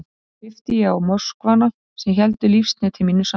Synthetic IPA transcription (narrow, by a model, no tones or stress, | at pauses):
fɪft̪ɪjɛawmɔskvanːa | sɛmçɛlt̪ʏlifst̪nɛt̪ʰɪlminːʏsa